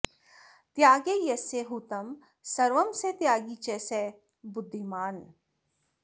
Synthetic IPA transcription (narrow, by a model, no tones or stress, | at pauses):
t̪jaːɡejɐseɦut̪ɐm | sɐɾʋɐmset̪jaːɡit͡ʃɛːseː | bʊd̪ʱːimaːn